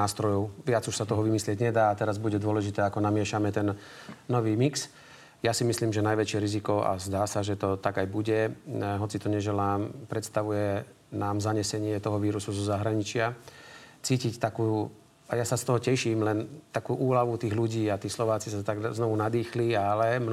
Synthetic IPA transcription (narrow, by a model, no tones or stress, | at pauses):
aːst̪ɾɔjɔʊʋɪad͡zuʃsat̪ɔɦɔʋimislɪɛɟɲɛd̪aːat̪ɛɾazbuɟɛd̪ʊɔlɛʒit̪ɛːakɔnamɪɛʃamɛt̪ɛnː | ɔʋiːmiks | jasimisliːmʒɛnajʋɛt͡ʃɪɛɾizikɔa̰zd̪aːsaʒɛt̪ɔt̪aɡajbuɟɛɦɔt͡sit̪ɔɲɛʒɛlaːmpɾɛt̪st̪aʋujɛ | naːmzaɲɛsɛɲɪɛt̪ɔɦɔʋiːɾusuzɔzaɦɾaɲit͡ʃɪa | t͡siːcict̪akuː | ajasast̪ɔɦɔcɛʃiːmlɛnt̪akuːʔuːlaʋut̪iːɣluɟiːat̪iːslɔʋaːt͡sisat̪aɡznɔʋunad̪iːxlialɛm